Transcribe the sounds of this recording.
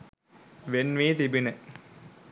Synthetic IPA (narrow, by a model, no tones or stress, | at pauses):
ʋenʋiːt̪ibine